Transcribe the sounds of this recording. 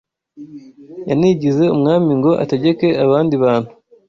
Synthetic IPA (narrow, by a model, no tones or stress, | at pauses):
janiɟize̞umŋaːmiŋɡo̞ʔa̰teɟe̞ke̞aβaːndiβaːn̥hu